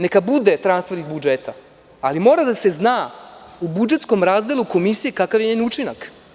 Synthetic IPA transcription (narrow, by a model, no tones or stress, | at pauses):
nekabud̪et̪ɾanst̪feɾizbud͡ʒeːt̪ʰa̰ | alimo̞ːɾad̪ase̞znaubud͡ʒe̞t̪sko̞mɾaːzd̪e̞lˠuko̞misije̞kakaʋjeɲeniut͡ʃinak